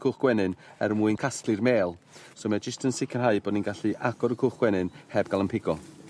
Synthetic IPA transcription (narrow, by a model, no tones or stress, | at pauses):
kʰʊχɡ̥wɛnɨnɛrmuːɨnkʰastlˠɨrmeːlˠ | somɛd͡ʒəstʰənsɪkʰərɦaɨbɔːdninɡaɬiʔaɡ̥ɔɾəkʰʊχɡ̥wɛnɨnhɛb̚ɡalˠənpʰɪɡɔ